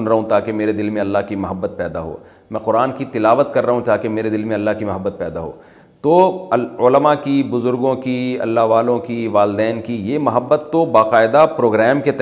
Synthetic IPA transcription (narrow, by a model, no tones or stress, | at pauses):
ʊnɾɐɦũt̪aːkemeːɾed̪ɪlmẽɐlːaɦkimɐɦəbːət̪̚pɛːd̪a̰ɦo̰ː | mɛ̃ːqʊɾaːnkit̪ɪlaːʋət̪kɐɾːɐɦũt̪aːkemeːɾed̪ɪlmẽɐlːaɦkimɐɦəbːət̪̚pɛːd̪aɦo̰ː | t̪oʊləmakibʊzʊɾɡõkiɐ̰lːaɦʋaːlõkiʋaːld̪ɛːnkijemɐɦəbːət̪ːobaːqaːɪd̪apɾoːɡɾɛːmket̪